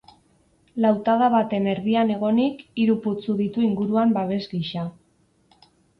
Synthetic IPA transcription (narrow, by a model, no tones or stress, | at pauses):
lawt̪aðaβat̪e̞me̞ɾðiane̞ɣ̞o̞nikiɾuput͡suðit̪uiŋɡuɾuambaβ̞e̞zɡiʃa